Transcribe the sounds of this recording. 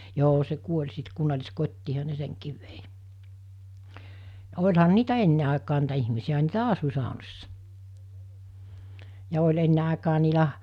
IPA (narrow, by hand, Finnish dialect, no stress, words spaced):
joː se kuolʲ sit kunːɑlʲiskotʲtiːhɑ ne seŋkiːʋ ʋei jɑ olʲhɑn niːtæ enːe ɑˑikɑː niːtæ ihmisiæ niːtæ ɑsu sɑˑonosːɑ jɑ olʲ enːe ɑˑekɑː niːlæ